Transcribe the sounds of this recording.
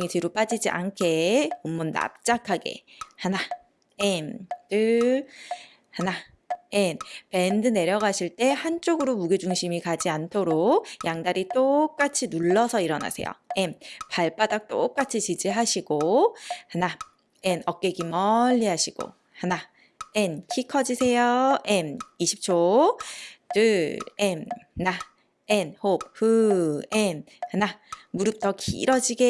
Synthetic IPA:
ŋitɯɾop͈ad͡ʑid͡ʑiʔa̰nkʰe̞omːunːa̰p̚t͡ɕ͈akʰaɡe̞̰hana | entɯ | hana | jenpe̞ndɯne̞ɾjʌɡaɕʰiɭt͈e̞hant͡ɕ͈oɡɯɾomuɡed͡ʑuŋɕʰimikad͡ʑiantʰoɾok̚jaŋdaɾit͈ok̚k͈at͡ɕʰinuɭːʌsʰʌiɾʌna̰sʰe̞̰jo̰enpaɭp͈adak̚t͈ok͈at͡ɕʰit͡ɕid͡ʑiɦaɕʰiɡ̥ohana | enʌk̚k͈eɡimʌʎːiɦaɕʰiɡ̥o̰ | hana | enkʰikʰʌd͡ʑisʰe̞joemiɕʰi̥p̚t͡ɕʰo | dɯemna | enhop̚ɸɯenhanamuɾɯp̚t͈ʌkḭɾʌd͡ʑiɡe

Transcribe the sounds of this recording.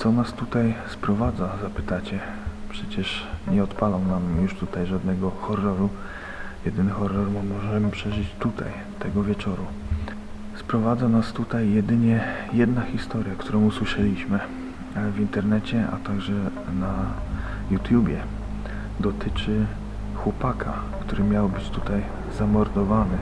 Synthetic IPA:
t̪sɔnast̪ut̪ajspɾɔvad̪zazapɘ̥t̪at͡ɕɛ | pʂɛt͡ɕɛʂɲɛɔt̪palɔwnamjuʂt̪ut̪ajʐad̪nɛɡɔxɔrːɔɾu | jɛd̪ɘnɘxɔrːɔɾmɔmɔʐɛmɘpʂɛʐɘt͡ɕt̪ut̪ʰa̰j | t̪ɛɡɔvʲjɛt͡ʂɔɾu | spɾɔvad̪zanast̪ut̪ajːɛd̪ɘɲɛjɛd̪naxʲist̪ɔɾʲjakt̪uɾɔ̃w̃uswɘʂɛlʲiɕmɘ | vint̪ɛɾnɛt͡ɕɛa̰t̪aɡʐɛ | na | jut̪jubʲjɛ | d̪ɔt̪ɘt͡ʂɘ | xwɔpakʰa̰ | kt̪uɾɘmʲjawbɘt͡ɕt̪ut̪aj | zamɔɾd̪ɔvanɘ

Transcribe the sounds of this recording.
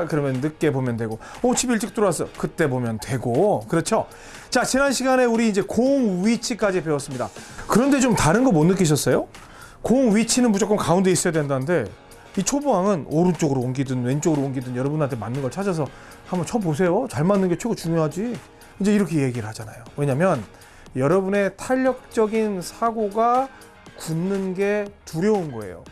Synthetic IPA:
kɯɾʌmjʌnnɯk͈e̞bomjʌndwe̞ɡoot͡ɕʰibiɭt͡ɕ͈ɯk̚t͈oɾoasʰʌkɯt͈e̞bomjʌntwe̞ɡokɯɾʌt͡ɕʰo | t͡ɕat͡ɕinanɕʰiɡane̞uɾiːnd͡ʑe̞koŋɥit͡ɕʰik͈ad͡ʑipe̞wʌs͈ɯmɲida̰kɯɾʌnde̞t͡ɕomtaɾɯnɡʌmonːɯk̬͈ʰːiɕ̬ʰʌs͈ʌjo | koŋɥit͡ɕʰinɯnmbud͡ʑok͈ʰɯmkaunde̞is͈ʌjadwendanɯnde̞ | it͡ɕʰobuɦaŋɯnoɾɯnt͡ɕ͈oɡɯɾoonɡidɯnwe̞nt͡ɕ͈oɡɯɾoonɡidɯnjʌɾʌbunɦantʰe̞manːɯnɡʌɭt͡ɕʰad͡ʑʌsʰʌ | hambʌnt͡ɕʰʌpos̬ʰe̞jot͡ɕaɭmanːɯnɡe̞t͡ɕʰeɡot͡ɕuŋjoɦad͡ʑi | ind͡ʑe̞iɾʌkʰe̞je̞ɡiɾɯɭhad͡ʑanajowe̞ɲamjʌn | jʌɾʌbune̞tʰaʎːʌk̚t͡ɕ͈ʌɡinsʰaɡoɡa | kunːɯnɡe̞tuɾjʌunɡʌe̞̰jo̰

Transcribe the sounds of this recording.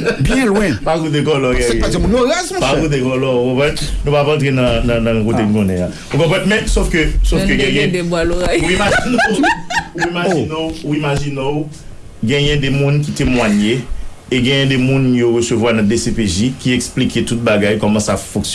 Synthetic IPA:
bjɛ̃lwɛ̃pakut̪̬ekɔlɔɡɡɛ̃jazɛ̃pmũnoɣazm̃pakut̪̬ekɔlɔukɔ̃pɛ̃ | nũpapɐ̃t̪ʁenɐ̃nɐ̃nɐ̃kot̬en̩kõnɛ̃a | ukɔ̃p̬ɛ̃mɛ̃sofkøsofkøɡɛ̃jɛ̃debwaloɣajuimaʒinɔ | uimaʒinõwuimaʒinõw | ɡɛ̃jɛ̃dɛmũnk̬itemwaɲe | eɡɛ̃jɛ̃demũnjoɣøsøvwanɐ̃desepeʒikiɛksplikʰetut̪̚baɡajkɔmɐ̃safɔ̃ks

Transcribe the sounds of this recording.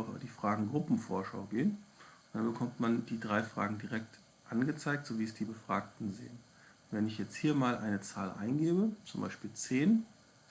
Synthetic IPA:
ʊfd̥iːfʁ̥aːɡŋ̩ɡʁʊpm̩foːɐʃa̰ʊɡeːənʊntd̥anbəkʰɔmtmand̥iːdʁaɪfʁ̥a̰ːɡŋ̩diʁɛk̚t | ʔanɡət͡saɪk̚tz̥oːviːəsd̥iːbəfʁ̥aːktn̩zḛːən | vɛnɪçjɛt͡sthiːɐmaːlʔaɪnət͡saːlʔa̰ɪnɡeːbət͡sʊmba̰ɪʃpiːlt͡seːn

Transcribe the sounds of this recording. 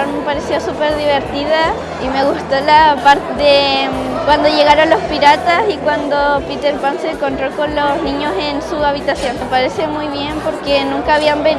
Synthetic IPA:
amepaɾesiosupe̞ɾðiβe̞ɾt̪iða | ime̞ɣust̪olapaɾt̪ðekwand̪o̞ʝe̞ɣaɾonlo̞spiɾat̪asikwand̪o̞pit̪e̞ɾpanseŋko̞nt̪ɾoko̞nlo̞snĩɲo̞se̞nsuaβit̪asjo̞nepaɾe̞se̞mujβje̞mpo̞ɾke̞nũŋkaːβiambe

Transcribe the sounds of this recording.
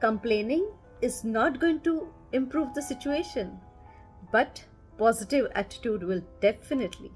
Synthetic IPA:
kə̃mplẽːnɪ̃ŋ | ɪznɔːʈ̚ɡoːɪ̃ŋʈu | ɪ̃mpɾuːʋd̪əsɪt͡ʃueːʃə̃n | b̥ʌʈ | pɔzɪʈɪʋæ̰ʈɪ̥ʈjuːɖʋɪlɖɛfɪnɪʈʰlḭ

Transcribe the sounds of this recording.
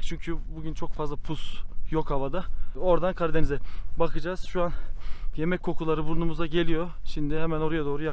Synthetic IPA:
t͡ʃʰyɲcʰybuɟynt͡ʃʰo̞kfazlˠapʰusjo̞khavad̪ao̞ɾd̪ankʰaɾd̪enizɛbakʰɯd͡ʒaːz̥ʃuanje̞mɛcʲkʰːo̞kʰulˠaɾɯbuɾnumuzaɟe̞lʲijo̞ | ʃimd̪ɪɦɛmæno̞ɾajad̪oːɾuja

